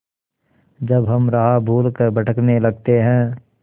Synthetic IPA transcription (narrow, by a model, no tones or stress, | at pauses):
d͡ʒɐbɦɐmɾɐɦabʱuːlkəɾbɐʈʰəknelɐɡ̚t̪eɦɛ̃ː